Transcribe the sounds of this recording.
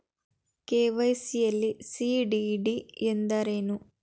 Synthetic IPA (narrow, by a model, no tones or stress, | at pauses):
keːʋɐjsijɐlːisiɖiɖiend̪ɐɾenu